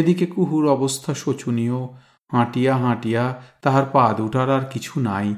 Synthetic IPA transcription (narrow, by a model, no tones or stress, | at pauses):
ed̪ikekuɦuɾɔbost̪ʰaʃot͡ɕʰunijo | hãʈijaɦãʈijat̪aɦaɾpad̪uʈʰaɾaɾkit͡ɕʰunaj